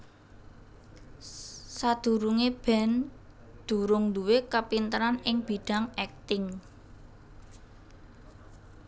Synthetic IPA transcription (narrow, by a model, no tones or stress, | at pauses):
sad̪̥ṳɾuŋeb̥ɛ̤n | d̪̥ṳɾʊŋnd̪uwekəpint̪əɾanɪŋb̥iɖ̥a̤ŋɛk̚t̪ɪŋ